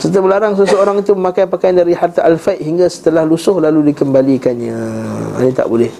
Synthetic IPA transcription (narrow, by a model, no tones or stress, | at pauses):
sət̪̬iabəlaɾaŋsəsəoɾaŋit̪uməmakajpakajandaɾihart̪aʔalfat̪ɦiŋɡasə̥t̪əlahlusʊhlaludikəmbalikanjãa̰nĩt̪a̰ʔbolɛh